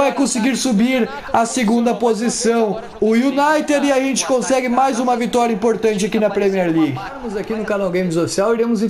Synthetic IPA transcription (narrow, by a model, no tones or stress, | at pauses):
ɛkõsɪɡiɾsubiɾ | ɐseɡũnd̪ɐpozisɐ̃w̃ | ʊjunajt̪ed̪ɪaʒẽnt͡ʃɪ̥kõsɛɡɪmajzũmɐvit̪ɔɾjɐĩpoɾt̪ɐ̃nt͡ʃɪakinɐpɾemiɛɾliɡɪɐmʊzakinʊkanawɡẽj̃mɪzofi̥siawiɾẽmʊzĩ